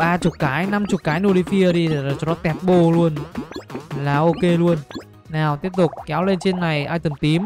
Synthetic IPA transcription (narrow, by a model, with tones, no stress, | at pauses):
ɓaː˧t͡ɕʊ˨˩t̚kaː˨˦jna˧mt͡ɕʊ˨˩k͡p̚kaː˨˦jno˧li˧˩fi˧əɗi˧˨˩t͡ɕɔ˧˩nɔ˨˦t̪ɛ˨˩t̚ɓo˧˩lu˧ən | laː˨˩ʔo˧ke˧lu˧ən | naː˨˩wt̪i˦˥əp̚t̪ʊ˨˩k͡p̚kɛ˨˦wle˧nt͡ɕe˧nːa˨˩jʔaː˧jt̪ə˨˩mt̪i˨˦əm